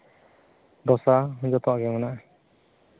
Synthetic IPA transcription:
d̪ɔsaɦũd͡ʒɔt̪ɔwaɡɛmanaʔ

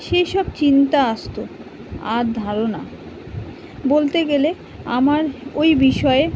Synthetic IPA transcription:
ʃejʃɔb̚t͡ɕint̪aaʃt̪o | aɾd̪ʱaɾona̰ | bolt̪eɡele | a̰maɾojbiʃɔe

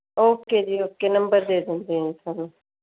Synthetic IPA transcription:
oːp̚ked͡ʒioːp̚kenɐmbəɾd̪eːd̪ẽnd̪ẽnt̪ʰɐn

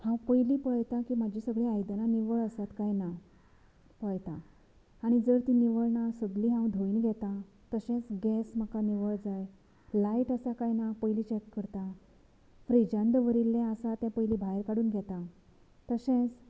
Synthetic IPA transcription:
hãwpəjlipəɭt̪akimad͡ʑʱisəɡɭiajd̪ənaniʋəɭəsat̪kajna | pəɭt̪a | aɽ̃id͡zəɾt̪iniʋəɭnasəɡliɦãwd̪ʱoiːnɡʱɛt̪a | t̪əɕẽt͡sɡɛsm̤akaniʋəɭd͡zaj | laiʈəsakajnapəjlit͡ɕɛkːəɾt̪a | fɾid͡ʑãnd̪ʋəɾilːẽəsat̪jãpəjlibʱajɾkaɽuːnɡʱɛt̪a | t̪əsẽt͡s

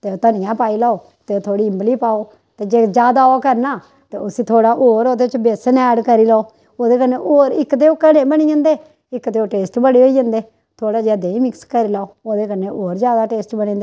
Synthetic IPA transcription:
t̪eːoːt̪ənɪjãːpaːiːlaːoː | t̪eːoːt̪ʰoːɽiːɪmbliːpaːoː | t̪eːd͡ʒeːd͡ʒaːd̪aːoːkəɾnaː | t̪eːʊsĩːt̪ʰoːɽaːʔoːɾoːd̪eːt͡ʃbeːsənɛːɖkəɾiːlaːoː | oːd̪eːk̬əneːʔoːɾɪkd̪eːoːkənẽːbəɽ̃iːə̃nd̪eː | ɪkd̪eːoːʈeːsʈbəɽeːɦoːiːd͡ʒə̃nd̪eː | t̪ʰoːɽaːd͡ʒaːd̪eːĩːmɪkskəɾiːlaːoːoːd̪eːkəneːʔoːɾd͡ʒjaːd̪aːʈeːsʈbəɽ̃ĩːnd̪eː

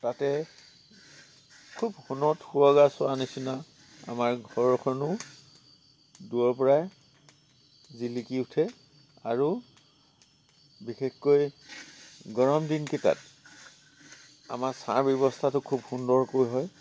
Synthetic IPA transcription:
tatɛ | kʰubhunɔtxuɹɔɡasʊanisina | a̰maɹɡʱɔɹɔkʰɔnʊ | duɔɹp̬ɔɹaj | zilikiutʰɛ | aɹu | bixexkoj | ɡɔɹɔmdinketa̰t | a̰maɹsa̰ɹbjɔbɔstʰatʊkʰubhundɔɹkojɦɔj

